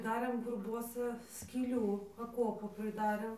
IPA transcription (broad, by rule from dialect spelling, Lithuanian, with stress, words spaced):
ˈdɑːrʲeːm ɡʊrˈbuɔsɐ sʲkʲiːˈlʲuː ɐˈkuɔpʊ pʲrʲɪˈdɑːrʲeːm